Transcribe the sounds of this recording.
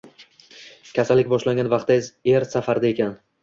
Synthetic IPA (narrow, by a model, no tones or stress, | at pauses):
kʲʰasalːɪkʲbɒʃlaŋʲɡʲanvaqt̪ːazeɾsafaɾd̪ae̞kʲʰan